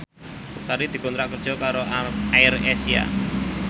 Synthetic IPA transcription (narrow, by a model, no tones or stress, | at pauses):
saɾid̪̥i̤kɔnt̪ɾaʔkərd̥ʒ̥ɔ̤kaɾoaɪrɛsia̰